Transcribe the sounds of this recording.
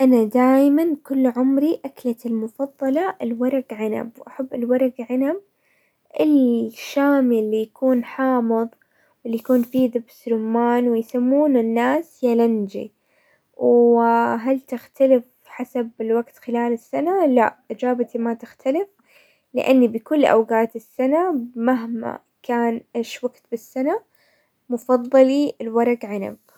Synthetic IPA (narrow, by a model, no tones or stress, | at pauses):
ʔanad̪aːjmankʊlːʕʊmɾiʔaklat̪ɪlmʊfɑðˤːɑlɑʔɪlwɑɾˤɑɡʕana̰bwʔaħabːɪlwɑɾˤɑɡʕanab̚ | ʔɪlʃaːmilːijakuːnħɑːmɨðˤ | wɪlːijakuːnfiðɪbsɾʊmːaːnwɪjsamːuːnɪnːaːsjaland͡ʒḭ | w | ɦalt̪ɪxt̪alɪf | ħasabɪlwaɡt̪xɪlaːlɪsːanala̰ʔʔɪd͡ʒaːbat̪imat̪ɪxt̪ʰalɪf | lɪ̰ʔanːibɪkʊlːʔa̰wɡaːt̪ɪsːanamaɦma̰ | kaːnʔeːʃwaɡt̪bɪsːana | mʊfɑðˤːɑliɪlwɑɾˤɑɡʕana̰b